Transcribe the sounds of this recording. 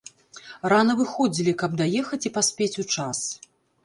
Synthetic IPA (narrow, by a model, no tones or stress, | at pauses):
ranɐvɨxɔd͡zʲilʲikɐb̚d̪ajɛxɐt͡sʲipasʲpʲet͡sʲut͡ʂas